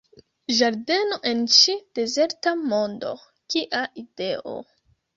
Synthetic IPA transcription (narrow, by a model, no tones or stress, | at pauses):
ʒaɾde̞no̞ʔe̞nt͡ʃid̥e̞ze̞ɾtamo̞ndo̞̰ | kiʔaʔideʔo̰